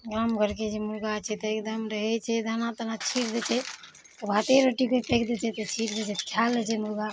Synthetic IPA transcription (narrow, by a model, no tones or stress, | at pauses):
ɡamkəɾked͡ʒemuɾɡat͡ʃʰɛt̪ɔekd̪əmɾəɦɛt͡ʃʰɛd̪ʱanat̪ənat͡ʃʰiʈd̪ɛt͡ʃʰɛ | t̪ɔbʱat̪eɾoʈikepʰekd̪ɛt͡ʃʰɛt̪ɔt͡ʃʰiʈd͡ʒɛt͡ʃʰɛt̪kʰjalːɛt͡ʃʰɛmuɾɡa